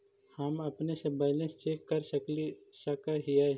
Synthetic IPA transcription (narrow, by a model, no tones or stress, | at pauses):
hɐmɐpnesebɐːlẽst͡ʃeːkːɐɾsɐklisɐkaɦija